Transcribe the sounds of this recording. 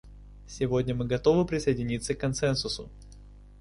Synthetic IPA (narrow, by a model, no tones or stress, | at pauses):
sʲɪvodʲnʲəmɨɡɐt̪o̞vɨpɾʲɪsəjɪdʲɪnʲit̪səkːɐnt̪sɛnsʊsʊ